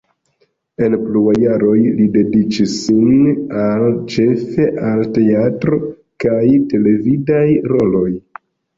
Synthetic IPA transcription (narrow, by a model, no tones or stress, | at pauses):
e̞npluajaɾo̞jlide̞dit͡ʃisːinalt͡ʃe̞fe̞ʔalte̞atɾo̞ | kajte̞le̞vidajɾo̞lo̞j